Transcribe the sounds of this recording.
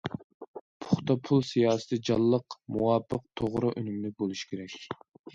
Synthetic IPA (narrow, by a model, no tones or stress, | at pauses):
pʰʊχt̪ɑpʰulˠsijɑːsɨ̥t̪ʰɨd͡ʒɑlˠːəqmuwɑpʰːəq̚t̪ʰoʁɾʊʔønymlɪk̚ʲbolˠuʃkʲʰeɾɛkʲ